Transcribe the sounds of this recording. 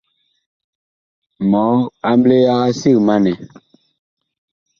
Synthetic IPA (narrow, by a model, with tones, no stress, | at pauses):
mɔ˨˦a˦mble˦ja˦ɣa˦si˦˨ma˦nɛ˨